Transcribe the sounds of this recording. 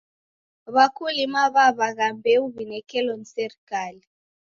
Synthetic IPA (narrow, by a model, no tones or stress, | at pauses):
βakʰulimaβaβaɣambʱɛuβinɛkɛlɔnisɛrikaːli